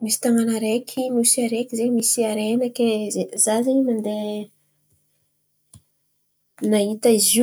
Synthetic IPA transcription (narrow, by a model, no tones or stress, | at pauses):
misi̥t̪aŋanaɾekʲʰimisiaɾekʲizemisiaɾenakʲeezazeɲnand̪e | naɦit̪aizu